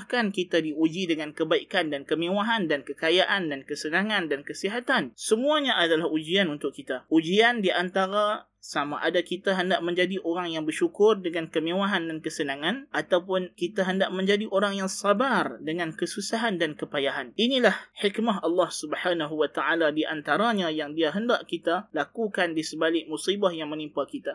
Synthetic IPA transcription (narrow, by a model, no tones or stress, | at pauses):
hkankit̪adiud͡ʒidəŋankəbaikandankəmewaɦandankəkajaʔandankəsənãŋãndankəsiɦat̪ansəmũaɲaʔadalahud͡ʒianunt̪ʊkit̪aud͡ʒiandiʔant̪aɾa | samaʔadakit̪aɦəndaʔmə̃ɲd͡ʒadiʔoɾaŋjaŋbərʃukʊrdəŋãnkəmẽwaɦandankəsənãŋãnʔat̪awpʊnkit̪aɦəndaʔmə̃ɲd͡ʒadiʔoɾaŋjaŋsabardəŋãnkəsusaɦandankəpajaɦaninilahhikmaɦɑlːɑhsubəhanaɦuwat̪aʔaladiʔant̪aɾaɲãjaŋdiaɦəndaʔkit̪alakukandisəbalɪk̚musibahjaŋmə̃nimpakit̪a